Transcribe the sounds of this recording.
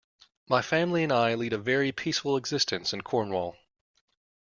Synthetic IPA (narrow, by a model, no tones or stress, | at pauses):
maɪfæ̃mliɨ̃naɪliɾɨvɛɹipʰisfl̩ˠəɡzɪstɨ̃nsɨ̃nkʰɔɹnwɔlˠ